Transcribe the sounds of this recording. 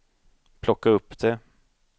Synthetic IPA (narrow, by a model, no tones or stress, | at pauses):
pʰlɔkːaɵpːd̪̥ɛ